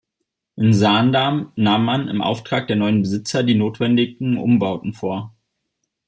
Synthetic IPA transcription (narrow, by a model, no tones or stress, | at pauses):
ʔɪnzaːndaːmnaːmːanɪ̰mʔa̰ʊftʁ̥aːk̚d̥eːɐnɔʏənbəzɪt͡sɐdiːnoːtv̥ɛndɪɡŋ̩ʔʊ̰mbaʊtn̩foːɐ